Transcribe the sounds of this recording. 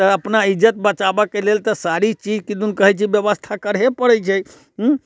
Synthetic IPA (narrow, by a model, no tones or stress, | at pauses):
əəpnaid͡ʒət̪̚bət͡ʃabəkelelt̪əsaɾit͡ʃid͡ʒkid̪unkəɦɛt͡ʃʰiʋjəʋəst̪ʰakəɾepəɽət͡ʃʰe